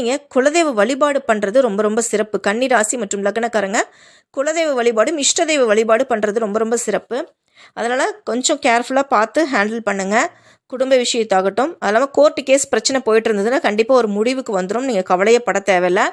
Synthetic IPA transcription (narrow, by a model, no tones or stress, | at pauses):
iːŋɡɐkʊɭɐðeːʋɐʋɐɭɪbaːɽɯpɐɳːrɐðɯɾɔmbɐɾɔmbɐsɪɾɐpːɯkɐɳːiɾaːsimɐʈːɯmlɐkːɐnɐkːaːɾɯŋɡɐ | kʊɭɐðeːʋɐʋɐɭɪbaːɽɯmɪʂʈɐðeːʋɐʋɐɭɪbaːɽɯpɐɳːɾɐðɯɾɔmbɐɾɔmbɐsɪɾɐpːɯ | ʔɐðɐnaːlɐkɔɲd͡ʒɔ̃keːɾfʊlaːpaːɾt̪ɯɦaːɳɖɐlpɐɳːɯŋɡɐ | kʊɽʊmbɐʋɪʂɐjɐt̪ːaːɣɐʈːɯmɐðɐlaːlɐkoːɾʈːɯkeːspɪɾɐt͡ʃːɐnɛpoːjɪʈːɪɾɯnd̪ɐðɯnːaːkɐɳɖɪpːaːɔɾɯmʊɽɪʋɯkːɯʋɐnd̪ɯɾoːmniːŋɡɐkɐʋɐɭɐjɐpːɐɽɐt̪eːʋɐlɐ